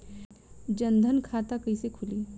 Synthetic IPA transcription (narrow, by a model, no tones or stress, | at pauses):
d͡ʒə̃nd̪ʱənkʰaːt̪akəisekʰʊliː